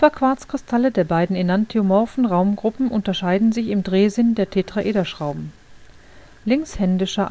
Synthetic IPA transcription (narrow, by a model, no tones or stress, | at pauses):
v̥ɐkv̥aɐt͡skʁ̥ɪstʰalədeːɐbaɪdn̩enantʰiomɔfn̩ʁaʊmɡʁʊpm̩ʔʊntɐʃaɪdn̩zɪçɪmdʁeːzɪndeːɐtʰeːtʁ̥aʔeːdɐʃʁ̥aʊbm̩ | lɪŋshɛndɪʃɐ